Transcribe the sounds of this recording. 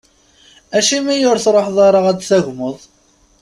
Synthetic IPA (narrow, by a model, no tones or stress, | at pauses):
æʃimijʊɾθɾˤoħðˤɑɾˤɑʁædθæʝməðˤ